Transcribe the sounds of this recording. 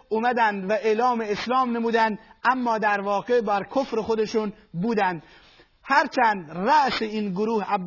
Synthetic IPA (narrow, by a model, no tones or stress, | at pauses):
ʔumæd̪ænd̪væʔeːlɒːmeeslɒːmnemuːd̪ænd̪ʔæmːɒːd̪æɾvɒːɣebæɾkʰofɾexod̪eʃun | buːd̪ænd̪ | hæɾt͡ʃʰænd̪ɾæʔseiːnɡoɾuːhæː